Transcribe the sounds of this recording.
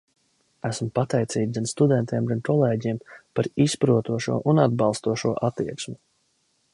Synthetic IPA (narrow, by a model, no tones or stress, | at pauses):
æsmpat̪ɛjt̪siːd̪ɡ̪anst̪ud̪ɛnt̪iɛmɡankʰɔlˠeːɟiɛmpaɾispɾuɔt̪uɔʃṵɔʔunad̪̚bɑlˠst̪uɔʃuɔʔat̪ːiɛksmu